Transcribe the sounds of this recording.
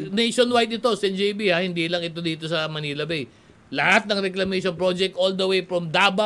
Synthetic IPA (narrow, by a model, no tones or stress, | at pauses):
nejʃonwajd̪̚ɪt̪o̞sɛnd͡ʒibihahɪnd̪iːlɐŋɪt̪o̞d̪iːt̪o̞sɐmɐniːlɐbɛj | lɐhat̪̚nɐŋɾɛklɐmejʃonpɹod͡ʒɛk̚t̪ʔold̪ɐwejfɹomd̪aːba